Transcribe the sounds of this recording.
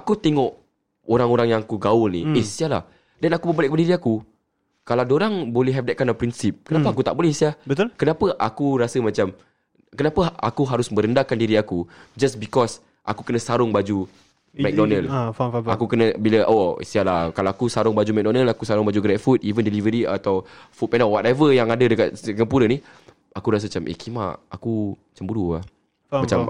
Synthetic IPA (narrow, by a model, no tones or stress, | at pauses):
akut̪eŋɔʔ | oɾaŋoɾaŋjaŋakuɡaʊlniisiala̰h | dɛnakubəbalɛʔkəbadiɾiaku | kaladoɾaŋbolɛɦɛfdɛt̚kanapɾinsip̚kənapaakut̪a̰ʔbolɛhisiabət̪kənapəʔakuɾasəmãt͡ʃam | kənapəa̰kuɦaɾʊsmə̃ɾəndakandiɾiakud͡ʒasbikɔs | ʔa̰kukənə̃saɾʊŋbad͡ʒu | mɛk̚dɔnə̃lfa̰kukənãbilaʔoḭst̪ialakalawakusaɾʊŋbad͡ʒumɛk̚dɔnəlakusaɾʊŋbad͡ʒuɡɾɛt̚fut̚ivəndəlivəɾia̰t̪awfut̚pɛnɔwatavəjaŋadədəkat̪̚skəmpuɾəni | akuɾas̬əmat͡ʃamʔḛkima̰ʔa̰kumat͡ʃambuɾua | at͡ʃam